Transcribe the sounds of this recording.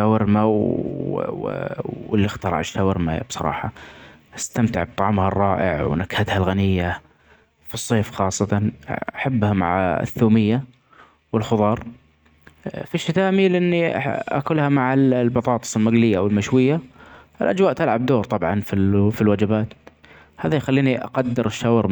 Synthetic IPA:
awɪɾmaw | ɪlːɪxt̪ɑɾˤɑ̰ʕʃt̪awɪɾma̰ja̰b̥sˤɑ̰ɾˤɑ̰ːħɑ | ʔast̪amt̪ɪ̰ʕb̚t̪ˤɑʕmhɑrˤːɑːʔɪ̰ʕwnakhat̪halɣanɪjːa | fɨsˤːeːfxɑːsˤːɑt̪ɑnaħabːhama̰ʕa̰θːuːmɪjːa | wɪlxʊðˤɑːɾˤ | fiʃːɪt̪aːmilɪʔɪnːiʔa̰kʊlhamaʕallbɑt̪ˤɑːt̪ˤɨ̥sˤɪlmaɡlɪjːawɪlmaʃwɪjːa | ɪlʔad͡ʒwaːʔt̪alʕab̚d̪oːɾt̪ˤɑbʕɑnfifilwad͡ʒɪbaːt̪ | haːðajxalːiːniʔa̰qɑd̪ːɪɾɪʃːawɾm

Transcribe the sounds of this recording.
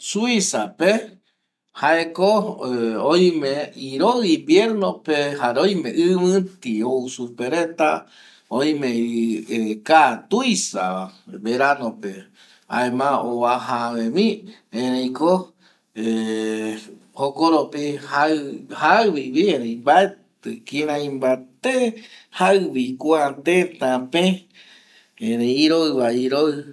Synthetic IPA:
suisape | haeko | õj̃mẽiɾoɣibjeɾnõpehaɾõj̃mẽʔɨmɨ̃t̪iousupeɾet̪a | õj̃mẽ | kat̪ujsa̰aβeɾanõpe | a̰emãoβaɦaβẽβĩ | ẽɾẽj̃ko | e | hokoɾopihahaɨβiβieɾẽj̃mbaet̪ɨkĩɾãĩmbat̪ehaɨβikʷuat̪et̪ãpẽ | eɾẽiɾoɨβaiɾoɨ

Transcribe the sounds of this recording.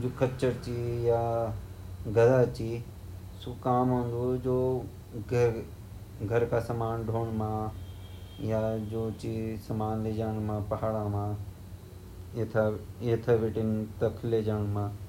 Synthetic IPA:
d͡ʒoːkɐt͡ʃəɾt͡ɕijaː | ɡɐd̪at͡ɕiː | sukaːmɦõːnd̪od͡ʒoː | ɡʱɐɾkʰasɐmaːnɖʱoːɽ̃mã | jad͡ʒoːt͡ʃisɐmaːnleːd͡ʒaːɽ̃mãːpɐɦaːɽamãː | t̪ʰaet̪ʰaʋɪʈɪnt̪ɐkʰɪled͡ʒaːɽ̃mãː

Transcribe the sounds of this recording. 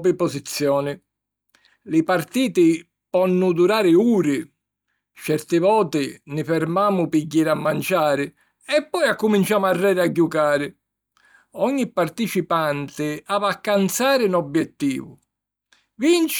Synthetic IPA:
pɪpɔzit̪sːjɔːnɪ | lɪpart̪iːt̪ɪ | pɔnːʊd̪uɾaːɾɪuːɾɪ | t͡ʃɛɾt̪ɪvɔːt̪ɪnɪfɛɾmaːmʊpiɟːiɾamːant͡ʃaːɾɪ | ɛpːɔjakːumint͡ʃaːmʊarːɛːɾɪaɟːukaːɾɪ | ɔɲːipːart̪it͡ʃipant̪ɪavakːant̪saːɾɪnɔbjɛt̪ːḭːvʊ | vint͡ʃ

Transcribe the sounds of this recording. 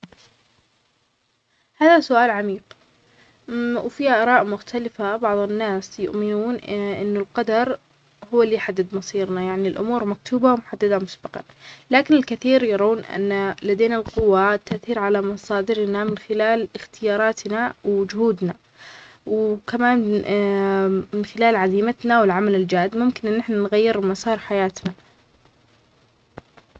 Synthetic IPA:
haːðasʊʔaːlʕamiːq | wfiːaʔɑɾˤɑːʔmʊxt̪ʰalɪfabɑʕðˤɪnːaːsjʊ̰ʔmɪnuːnʔʔɪnːʊlqɑd̪ɑɾˤ | hʊwːalːijħad̪ːɪd̪mɑsˤiːɾnajaʕnilʔʊ̰muːɾmak̚t̪ʰuːbawmʊħad̪ːad̪amʊsbɑqɑ̰nlaːkɪnɪlkɪθiːɾjɑɾˤaːnʔa̰nːalad̪eːnalqʊwːat̪ːaʔθiːɾʕalamɑsˤɑːd̪ɪɾnamɪnxɪlaːlɪxt̪ɪjɑːɾˤɑːt̪nawd͡ʒʊhuːd̪na | wkamaːn | mɪnxɪlaːlʕaziːmat̪nawɪlʕamalɪld͡ʒaːd̪mʊmkɪnʔɪnːɪħnanɣajːɪɾmɑsˤɑːɾˤħajaːt̪na

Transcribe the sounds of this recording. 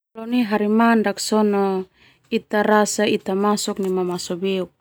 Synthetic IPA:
lɔniɦaɾimandaksɔnɔ | it̪aɾasait̪amasɔk̚nimamasɔbeuk̚

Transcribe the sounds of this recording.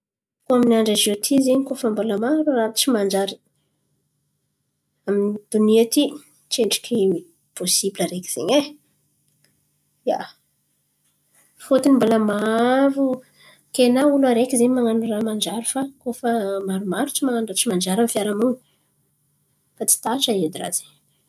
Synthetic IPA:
koaminiaɳɖ͡ʐazet̪ʰizeɲikofəmbalamaɾurat͡ʃimand͡ʒaɾi̥ | aminid̪̥uniet̪i | t͡ʃeɳɖ͡ʐi̥kʰemi | posibilaɾeki̥z̥eɲe | ja̰ | fot̪inimbolamaɾu | kenaulaɾekʲizeɲmaŋanuramand͡ʒaɾufakofəmaɾumaɾut͡simaŋanrat͡ʃimand͡ʒaɾamfjaɾamuɲi̥ | fat͡si̥t̪aʈ͡ʂaed̪ira̰zeɲ

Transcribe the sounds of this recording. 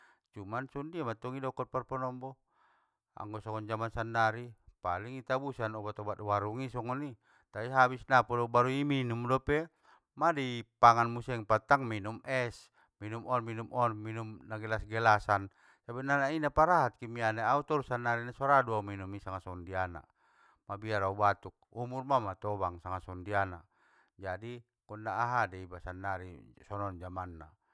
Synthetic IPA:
t͡ʃumansɔndiamat̪ɔŋidɔkɔt̪̚pɔrpɔnɔmbɔ | a̰ŋɡɔsɔŋɔnd͡ʒamansandaɾipaliŋit̪abusanɔbat̪ɔbat̪̚waɾuŋisɔŋɔni | t̪aiɦabisnapɔdɔbaɾuiminumdɔpɛ | madipaŋanmusɛɛŋpat̪aŋminumɛs | minumɔnminumɔnminumnaɡɛlasɡɛlasan | sabinanainapaɾaɦat̪̚kimianeaut̪ɔɾusanːaɾinasɔɾaduauminumisaŋasɔndiana̰ | mabiaɾaubat̪uk̚umurmamat̪ɔbaŋsaŋasɔndiana̰ | d͡ʒadi | kɔnːaːɦadɛibasanːaɾisɔnɔnd͡ʒamanːa̰

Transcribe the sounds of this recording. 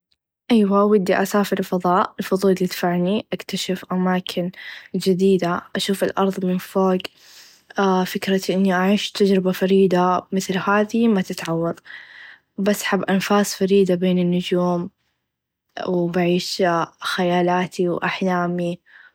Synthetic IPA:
ʔajwaʔwad̪ːiʔasaːfɪɾɪlfɑðˤɑːʔɪlfʊðˤuːllɪd̪faʕniʔakt̪aʃafʔamaːkʰɪnd͡ʒɪd̪iːd̪aʔaʃuːfɪlʔɑ̰ɾˤðˤmɪnfoːɡ | fɪkɾaʔɪnːiʔaʕiːʃt̪ad͡ʒɾɪbafaɾiːd̪amɪθlhaːðimat̪ɪt̪ʕawːɑɾˤ | basːħabːʔanfaːsˤfaɾiːd̪abeːnɪnːʊd͡ʒuːm | wbaʕiːʃxajaːlaːt̪ʰiwʔaħlaːmi

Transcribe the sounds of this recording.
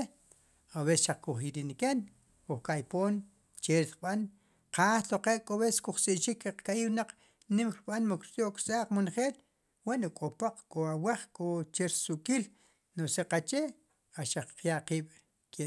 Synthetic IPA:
awesʃaq͡χkuχiɾiniken | kuχkajpoːn | t͡ʃeɾiɾɓan | qaːt̪oqeʔkʼoβeskuχt͡sʼiʔt͡ʃikːeqkajiwnaq͡χ | nimɾiɓanmukɾt͡sʼjoʔkɾt͡sʼaːq͡χmonχeːl | wanukʼopoq͡χkʼoawaχkʼot͡ʃeɾsuʔkʼil | noseqat͡ʃe | aʃaq͡χqjaʔqiːɓ̥ | ke

